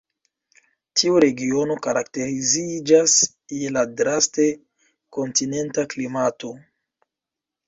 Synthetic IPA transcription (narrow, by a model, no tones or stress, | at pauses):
tʰiuɾe̞ɡio̞no̞kaɾakte̞ɾizid͡ʒas | jeladɾaste̞ | ko̞ntine̞ntaklimato̞